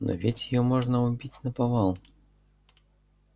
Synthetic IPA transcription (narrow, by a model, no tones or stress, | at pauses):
nʔɔ̰vʲetʲjɪjɔmɔʐnəʊbʲit͡sʲnɐpɐvalˠ